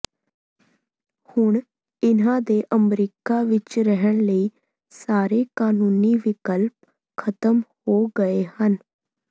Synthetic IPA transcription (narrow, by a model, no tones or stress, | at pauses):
hʊɳ | ɪnãːd̪eːʔəmɾiːkaːʋɪt͡ʃɾəɦəɳ̃ləiː | saːɾeːkaːnuːniːʋɪkəlp̚ | kʰət̪əmhoːɡəeːhən